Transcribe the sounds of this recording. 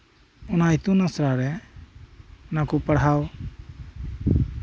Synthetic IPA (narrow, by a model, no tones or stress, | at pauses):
ɔnait̪unasɾaɾɛ | ɔnakupəɽɦaw